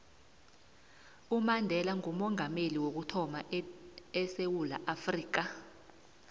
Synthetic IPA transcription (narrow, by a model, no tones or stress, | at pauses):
umandʱɛlaŋumɔŋameliwok̬utʰɔma | ɛsewula̰ʔafriːk̬a